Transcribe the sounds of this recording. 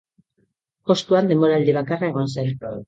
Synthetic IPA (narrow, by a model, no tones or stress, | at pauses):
po̞st̪uand̪e̞mbo̞ɾald̪iβ̞akarae̞ɣ̞o̞nsalko